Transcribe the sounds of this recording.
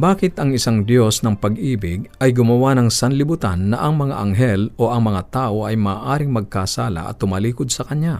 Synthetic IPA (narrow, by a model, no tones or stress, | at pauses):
baːkɪt̪ɐŋɪsaŋd̪jo̞snɐŋpɐɡʔiːbɪɡ̚ɐjɡʊmɐwanɐŋsɐnlɪbʊt̪a̰nːɐʔɐŋmɐŋa̰ʔɐŋɦɛloʔɐŋmɐŋat̪aːʔoʔɐjmaːʔaːɾɪŋmɐɡ̚kaːsaːla̰ʔɐ̰t̪ːʊmɐliːkʊd̪̚sɐkɐɲja